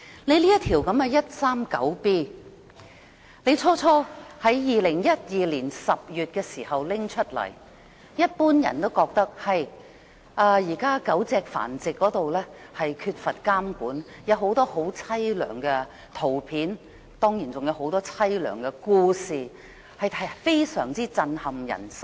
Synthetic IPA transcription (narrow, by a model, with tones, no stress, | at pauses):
le˨˧jli˥jɐ˥t̪ʰiː˨˩wkɐ˨˧˥mɛ˨˧jɐ˥t̚saː˥mkɐ˨˥wpiː˥ | ne˨˧jt͡ʃʰɔː˥t͡ʃʰɔː˥hɐ˨˥jjiː˨lɪ˨˩ŋjɐ˥t̚jiː˨˧liː˨˩nsɐ˨p̚jyː˨t̚kɛː˧siː˨˩hɐ˨wlɪ˥ŋt͡ʃʰɵ˥t̚lɐ̰˨˩j | jɐ˥t̚puː˥njɐ̰˨˩nt̪o˥wkɔː˧k̚t̪ɐ˥k̚hɐ˨j | ʔaː˧jiː˨˩kaː˥kɐ˨˥wt͡sɛː˧k̚fa̰ː˨˩nt͡sɪ˨kːɔː˨˧˥t̪o˨wlɛː˥hɐ˨jkʰy˧t̚fɐ˨t̚kaː˥mkuː˨˥n | jɐ˨˧wɦo˨˥wt̪ɔː˥ho˨˥wt͡sʰɐ˥jlœ̰ː˨˩ŋkɛ˧ | t̪ʰo˨˩wpʰiː˨˥n | t̪ɔː˥ŋjiː˨˩nt͡sʊ˨ŋjɐ˨˧wɦo˨˥wt̪ɔː˥t͡sʰɐ˥jlœ̰ː˨˩ŋkɛ˧kuː˧siː˨ | hɐ˨jʰɐ˨fe˥jsœː˨˩ŋt͡siː˥t͡sɐ˧nhɐ˨˩mjɐ̰˨˩nsɐ˥